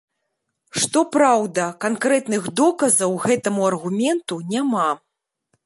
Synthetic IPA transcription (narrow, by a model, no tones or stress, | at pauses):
ʂt̪ɔpɾawd̪ɐkankɾɛt̪nɨɣd̪ɔkɐzɐwɣɛt̪ɐmuɐrɣumʲɛnt̪unʲama